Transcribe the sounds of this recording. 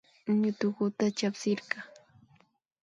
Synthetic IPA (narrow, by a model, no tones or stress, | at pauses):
ɲʊt̪ʊkʊt̪at͡ʃapsɪɾɢɑ